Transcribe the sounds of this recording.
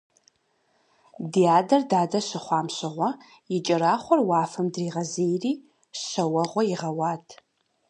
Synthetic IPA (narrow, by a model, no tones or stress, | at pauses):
diaːdɐrdaːdɐɕɪχʷɑːmɕɪʁʷɔ | jɪt͡ʃʼɐɾaːχʷɔrwɑːfɨmdriːʁɐzejriː | ɕɐwɐʁʷɔjɪʁɐwɑːtʰ